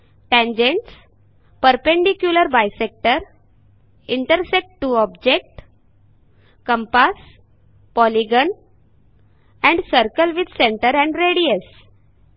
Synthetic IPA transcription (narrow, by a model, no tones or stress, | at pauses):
ʈɛ̃ɲd͡ʑẽɳʈs | pəɾpẽɳɖikjuləɾbajsek̚ʈəɾ | iɳʈəɾsek̚ʈːuːɔbd͡ʑek̚ʈ | kə̃mpas | pɔliɡən | ɛ̃ɳɖsəɾkəlʋid̪ʱsẽɳʈəɾɛ̃ɳɖɾeɽies